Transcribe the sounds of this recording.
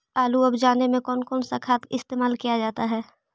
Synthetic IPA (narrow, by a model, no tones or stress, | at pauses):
aːluɐbd͡ʒaːnemẽkɔːnkɔːnsakʰaːt̪ɪst̪eːmaːlkijad͡ʒaːt̪aɦɛː